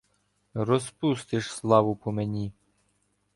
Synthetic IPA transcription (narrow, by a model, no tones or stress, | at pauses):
rɔspust̪ɪʃslˠɑʋʊpɔmenʲi